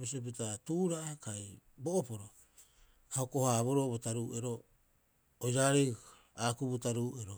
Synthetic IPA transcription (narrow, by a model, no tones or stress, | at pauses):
bisiop̬itatuːɾaʔakajbo̞ʔopo̞ɾo | haokohaːβoɾo̞botaɾuːʔe̞ɾo̞ː | jɾaɾek | aːkubutaɾuːeɾo